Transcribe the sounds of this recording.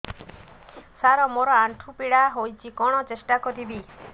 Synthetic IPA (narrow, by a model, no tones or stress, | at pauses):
saɾɔmoɾɔaɳʈʰupiɽaɦojt͡ʃʰikɔɽ̃ɔt͡ʃesʈakɔɾibi